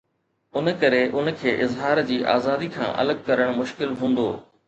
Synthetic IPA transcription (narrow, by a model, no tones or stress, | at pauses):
ʊnəkɐɾeʔʊn̆kʰeːʔɪzɦaːɾd͡ʑiːʔa̰ːzaːd̪ikʰã̰ːʔɐ̰ləɡ̚kɐɾəɽ̃mʊʃkɪlɦũːn̆d̪o̰ː